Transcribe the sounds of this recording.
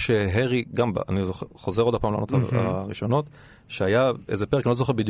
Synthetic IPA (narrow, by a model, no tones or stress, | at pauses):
ʃeɦeʁiɡamba̰a̰nizoχeχozeʁo̞d̪apaːmla̰nothaa̰ʁiʃo̞no̞t̪ | ʃeajaḛzepeʁkanlozoχebid̪j